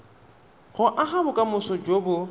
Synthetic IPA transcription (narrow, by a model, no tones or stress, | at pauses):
ɣʊʔaχabʊkʼamʊsɔd͡ʒobʊ